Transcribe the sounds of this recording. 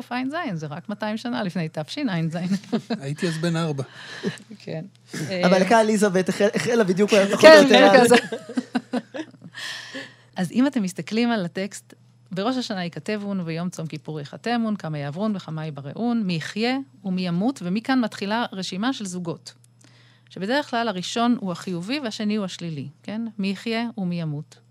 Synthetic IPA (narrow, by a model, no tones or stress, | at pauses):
ofajnzajnzeʁakmataimʃanalifnejtafʃinajnzajnait̪iazbenaʁba | kʰen | amalekalizavet̪eeʔeχelabid̪jukajot̪aχkoobdjuaze | ʔazimate̞mːist̪aklimalate̞kst | be̞ʁo̞ʃaʃanaikate̞vunvejo̞mt͡so̞mkipuʁjeχate̞munkamajaːvʁunbeχamajbaʁḛʔunmiːχje̞umijamutvemikanmatχilaʁeʃimaʃe̞lzuɡo̞t | ʃebe̞deʁeχklalhaʁiʃo̞nuaχijuvivehaʃe̞niuaʃlilike̞nmiːχje̞umijamut